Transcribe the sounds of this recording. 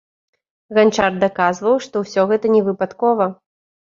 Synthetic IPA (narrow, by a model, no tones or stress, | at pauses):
ɣant͡ʂard̪akazvɐwʂt̪ɔwsʲɔɣɛt̪ɐnʲɛvɨpat̪kɔvɐ